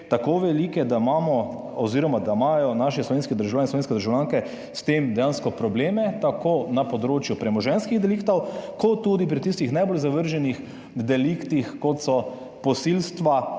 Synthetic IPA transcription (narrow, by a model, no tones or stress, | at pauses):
t̪akoːʋɛlikɛd̪amaːmɔ | ɔziːɾɔmad̪amajɔnaʃɛslɔʋeːnskɛd̪əɾʒawlanslɔʋenskɛd̪əɾʒawljaːŋkɛ | st̪eːmd̪ɛjaːnskɔpɾɔbleːmɛt̪akoːnapɔd̪ɾoːt͡ʃjupɾɛmɔʒɛnskiɣd̪ɛlikt̪ɔwkɔt̪ːuːd̪ip̬ɾit̪ist̪ixnajboːlzaʋəɾʒɛnix | d̪ɛlikt̪ixkɔt̪sɔ | pɔsilst̪ʋa